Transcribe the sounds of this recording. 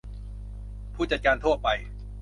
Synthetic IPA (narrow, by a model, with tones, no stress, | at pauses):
pʰuː˥˩t͡ɕa˨˩t̪̚kaː˧nt̪ʰu˥˩ət̪̚pa˧j